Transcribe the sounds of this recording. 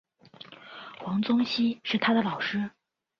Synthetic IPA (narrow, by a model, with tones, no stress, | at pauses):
xwɑ˧˥ŋt͡sʊ˥ŋɕi˥ʂɻ̩˥˩t̪ʰa˥d̪ə˨lɑ˨˩ʊʂɻ̩˥